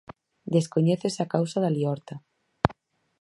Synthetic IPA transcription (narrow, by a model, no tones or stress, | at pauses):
d̪eskoɲeθesakawsaðaliɔɾt̪a